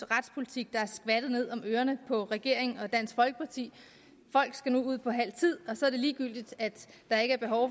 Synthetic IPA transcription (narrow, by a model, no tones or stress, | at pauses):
ʁɑd̥spʰo̝lit͡sʰiɡ̥̚d̥ɑ̈æɐsɡ̥ʋæd̥ð̩ˠne̝ð̞̰ˠɒ̽møːɐnəpʰɒ̽ʁɛɡ̥e̝ɐ̰eŋɒ̽d̥æn̰sɡ̥fɒ̽lɡ̥ə̥pʰɑ̈t͡sʰḭː | fɒ̽l̰ɡ̥sɡ̥ænuuð̞̰ˠpʰɒ̽ɦæl̰t͡sʰið̞̰ˠɒ̽sɒ̽æɐd̥e̝liːɡ̥yl̰d̥id̥æd̥ɑ̈e̝ɡ̥əæɐb̥e̝ɦɒʊ